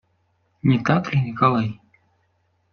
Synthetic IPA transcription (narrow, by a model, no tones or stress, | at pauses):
nʲit̪aklʲinʲɪkalˠaj